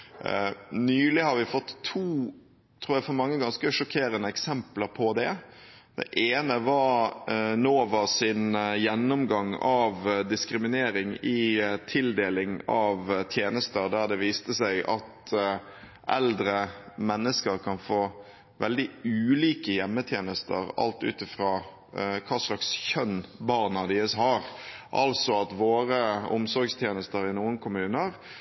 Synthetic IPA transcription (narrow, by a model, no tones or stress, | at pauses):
nyːlɪhɑɾʋɪfɔt̪ʰːuː | t̪ʰɾuːɾæfɔɾmɑŋːəɡɑnskəʂɔkʰeːɾənəɛksɛmpləɾpʰɔd̪ɛ | d̪ɛ̰ʔeːnəʋɑɾnoːʋɑɾsɪnjɛnːɔmɡɑŋɑʋd̪ɪskɾɪmɪneːɾɪŋɪt̪ʰɪld̪eːlɪŋɑʋt̪ʰjeːnəst̪əɾd̪æʁd̪ɛʋiːst̪əsæɪʔɑt̪ | ʔɛ̰ld̪ɾəmɛnːəskəɾkʰɑnfoː | ʋɛ̰ld̪ɪʉːliːkəjɛmːət̪ʰjeːnəst̪ə̰ɾɑ̰lt̪ʉ̰ːt̪ɪfɾɑː | kʰɑːslɑksçœnbɑːʁnɑd̪ɪəshɑɾʔɑ̰lsɔɑt̪ʋoːɾəɔ̰msɔɾɡst̪ʰjeːnəst̪əɾɪnuːənkʰʊmʉːnəɾ